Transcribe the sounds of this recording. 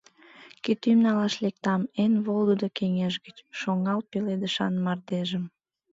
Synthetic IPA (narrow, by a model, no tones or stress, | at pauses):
kit̪ymnɑlɑʃlek̚t̪ɑmenβolud̪okeŋeʒɡət͡ɕʃoŋɑlpeled̪əʃɑnmɑrd̪eʒəm